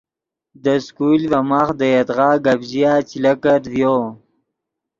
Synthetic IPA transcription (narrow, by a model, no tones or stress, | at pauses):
d̪əskulvamaxd̪əjat̪ʁɑːɡabʑijat͡ɕilakat̪vjo